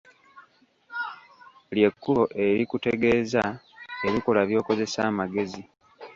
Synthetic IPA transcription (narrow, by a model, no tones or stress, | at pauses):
lje̞kːulo̞ʔe̞ɾikute̞ɡe̞ːza | eβiko̞laβjo̞ːko̞ze̞saːmaɡe̞zi